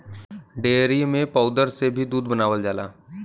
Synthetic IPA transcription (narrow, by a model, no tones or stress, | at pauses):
ɖeːɾimẽpəʊd̪əɾsebʱid̪uːd̪̚bənaːʋəld͡ʒaːla̰ː